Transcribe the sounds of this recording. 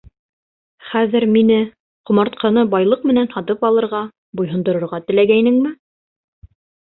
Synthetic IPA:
χæðɘɾminɘ | qŏmɑɾt̪̚qʰɑnɤbɑjlˠɤq̚mɘ̆nænhɑt̪ɤpɑlˠɤ̆ɾʁɑ | bujɦɤ̆nd̪ɤ̆ɾŏɾʁɑt̪ɘ̆læɡæjnɘŋmɘ

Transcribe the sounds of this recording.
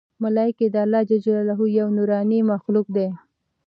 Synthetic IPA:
malɑɪked̪əalːɑd͡ʒad͡ʒlalaɦujawnuɾɑnimaxluk̚d̪e

